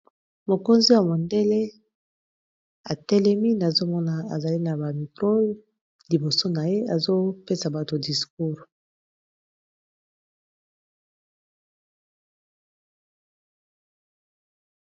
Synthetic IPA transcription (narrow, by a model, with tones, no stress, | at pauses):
mo˨ko˦nzi˦ja˨mo˨nde˦le˦ | a˨tɛ˦lɛ˦mi˦na˨zo˦mɔ˦na˨a̰˨za˨li˦na˨ba˨mi˨kʁo˦ | li˨bo˨so˦na˨je˦a˨zo˦pe˦sa˨ba˨to˨di˨sku˦ʁ